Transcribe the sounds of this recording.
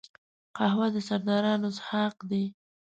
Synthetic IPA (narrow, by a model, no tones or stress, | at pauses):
qahwad̪əsaɾd̪ɑɾɑnoshɑqd̪e